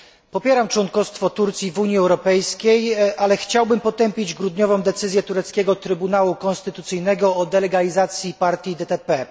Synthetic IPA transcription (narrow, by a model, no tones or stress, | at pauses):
pɔpʲjɛɾamt͡ʂwɔŋkɔst̪fɔt̪uɾt̪sʲivuɲjiɛwɾɔpɛjskʲejʔalɛxt͡ɕawbɘmpɔt̪ɛmpʲid͡ʑɡɾud̪ɲɔvɔ̃w̃d̪ɛt̪sɘzʲjɛt̪uɾɛt̪skʲɛɡɔt̪ɾɘbunawukɔ̃nst̪ɘt̪ut̪sɘjnɛɡɔɔd̪ɛlɛɡalʲizat̪sʲjipaɾt̪ʲjid̪ɛt̪ɛpɛ